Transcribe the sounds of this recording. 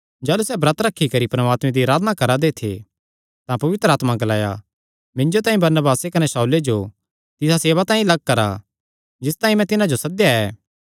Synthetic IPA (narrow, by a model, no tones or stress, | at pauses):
d͡ʒaːlusɛbɾɐt̪ɾɐkʰːikɐɾipɾɐmaːt̪mẽd̪iɐɾaːd̪nakɐɾad̪et̪ʰḛ | t̪ãpɐʋɪt̪ɾaːt̪maɡɐlaːja̰ | mɪ̃nd͡ʒot̪ãːĩbɐɾnəbaːsekɐnesɐuled͡ʒo | t̪ɪsaseːʋat̪ãːĩlɐɡ̚kɐɾa̰ | d͡ʒɪst̪aːĩmɛ̃t̪ɪnãd͡ʒosɐd̪jaɛː